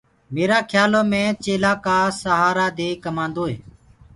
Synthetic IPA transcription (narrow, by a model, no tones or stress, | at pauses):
meːɾaːkʰjaːloːmẽːt͡ʃeːlaːkaːsəɦaːɾaːd̪eːkəmãːnd̪oːɦḛː